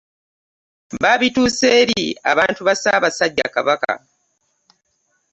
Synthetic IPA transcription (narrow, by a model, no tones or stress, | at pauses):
baːβituːseːɾia̰βaːntuβasaːβasaɟːa̰ka̰βaka̰